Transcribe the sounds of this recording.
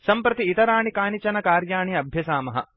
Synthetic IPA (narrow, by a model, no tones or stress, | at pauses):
sɐmpɾɐt̪iːt̪ɐɾaːɳikaːnit͡ʃɐnɐkaːɾjaːɳiɐbʱjɐsaːmɐɦɐ̰